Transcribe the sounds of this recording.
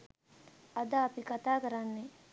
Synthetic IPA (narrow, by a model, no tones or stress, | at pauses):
ɐd̪aːpikat̪akɐɾanːe